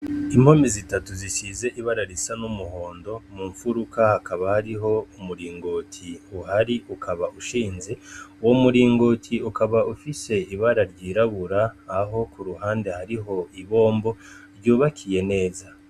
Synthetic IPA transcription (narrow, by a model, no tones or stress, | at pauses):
imho̞mizitatuziʃize̞ʔiβaɾaɾisanumuho̞ːndo̞muːɱfuɾukahakaβahaɾiɦo̞umuɾiːŋɡo̞ːtʰiuhaɾiʔukʰaβaʔuʃiːnze̞wo̞muɾiːŋɡo̞ːtʰiukaβaufise̞iβaɾaɾɟiːɾaβuɾaːɦo̞kuɾuɦaːnde̞haɾiɦo̞iβo̞ːmbo̞ɾɟuːβakʰije̞ne̞ːza